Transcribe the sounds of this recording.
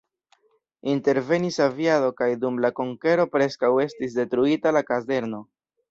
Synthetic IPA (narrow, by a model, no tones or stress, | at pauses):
inte̞ɾve̞nisavjado̞kajdumlakoŋke̞ɾo̞pɾe̞skawe̞stis̬de̞tɾuitalakaze̞ɾno̞